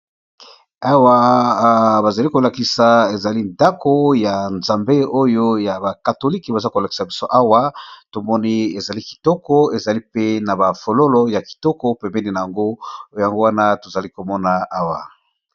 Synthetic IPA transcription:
a˦wa˨ | ba˨za˨li˦ko˨la˨ki˨sa˨e˨za˨li˦nda˦ko˦ja˨nzã˨mbe˦o˦jo˦ja˨ba˨ka˨to˨li˦ke˨ba˨za˦ko˨la˨ki̥˨sa˨bi˦so˦ʔa˦wa˦to˨mɔ˦ni˦e˨za˨li˦ki̥˨tɔ˦kɔ˦e˨za˨li˦pe˦na˨ba˨fo˨lo˦lo˦ja˨ki̥˨tɔ˦kɔ˦pɛ˨mbɛ˦ni˦˨na˨ja˨ŋɡo˦˨ja˨ŋɡo˦wa˦na˦to˨za˨li˦ko˨mɔ˦na˨a˦wa̰˨

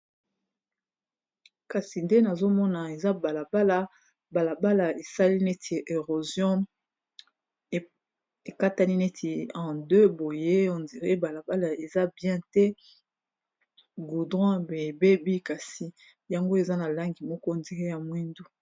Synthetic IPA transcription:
ka˨si˨nde˦na˨zo˦mɔ˦na˨e˨za˦ba˨la˨ba˦la˦ | ba˨la˨ba˦la˨e˨sa˦li˦ne˦tʰi˨ʔe˨ʁo˨zjɔ̃˦˨ | e˨ka˦ta˦ni˦ne˦tʰi˨ɑ̃˨dø˦bo˨je˦o˨ndi˨ʁe˦ba˨la˨ba˦la˨e˨za˦bjɛ̃˦tɛ˦ | ɡu˨dʁɔ̃˦be˨e˨be˦bi˦ka˨si˨ | ja˨ŋɡo˦e˨za˦na˨la˦ŋɡi˨mɔ˦kɔ˦˨ndi˨ʁe˦ja˨mwi˦ndu˦

